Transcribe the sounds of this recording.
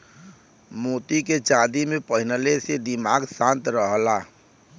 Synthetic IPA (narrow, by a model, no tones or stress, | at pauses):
moːt̪iket͡ʃaːd̪imẽpəɦɪnəlesed̪ɪmaːɡsãnt̪ɾəɦla